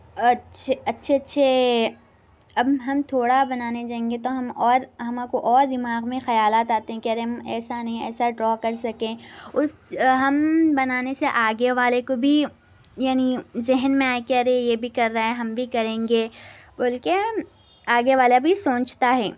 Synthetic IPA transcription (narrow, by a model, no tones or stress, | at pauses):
ɐtːʃʰeɐtːʃʰeɐtːʃʰe | ɐbɦɐmt̪ʰoːɽabɐnaːned͡ʒaːẽːŋɡet̪oɦɐmɔːɾɦɐmakoʔɔːɾd̪ɪmaːɣmẽxɐjaːlaːt̪aːt̪eɦɛ̃keɐɾeɦɐmɛːsanɐɦĩɛ̰ːsaɖɾɔːkɐɾsɐkẽːʊsɦɐmbɐnaːneseʔaːɡeʋaːlekobʱi | jaːnizɪɦnmẽaːekeɐɾejebʱikɐɾːaɦɛɦɐmbʱikɐɾẽːŋɡeːbɐlke | aːɡeʋaːlabʱisõːt͡ʃt̪aɦɛː